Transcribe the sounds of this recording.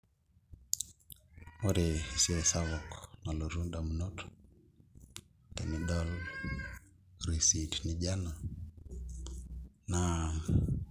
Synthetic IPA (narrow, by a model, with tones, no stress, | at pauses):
o˦ɾe˨si˦ɛ˨sa˦βɔ˨kna˨lo˨ɾu˦nda˨m̩˨nɔ˦tʰɔ̥ | tɛ˨mi˨ɗɔ˦l | ɾi˨si˨tni˨d͡ʒa˦na˨ | na